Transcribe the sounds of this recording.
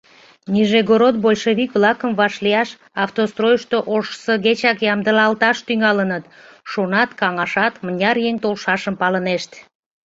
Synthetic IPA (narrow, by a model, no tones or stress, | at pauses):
niʒeɡoɾot̪̚bolʲʃeβikβlɑkəmvɑʃliɑʃ | ɑft̪ost̪rojəʃt̪oʔoʃsəɣet͡ɕɑkjɑmd̪əlɑlt̪ɑʃt̪yŋɑlənət̪ʃonɑt̪kɑŋɑʃɑt̪mənʲɑɾjeŋt̪olʃɑʃəmpɑləneʃt̪